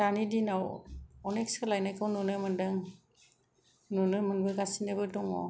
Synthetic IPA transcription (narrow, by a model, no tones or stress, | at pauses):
danidinawɔnek̚skʰɯlajnajkʰawnunɯmɯndɯŋ | nunɯmɯnbɯɡasinɯbɯdɔŋɔ̰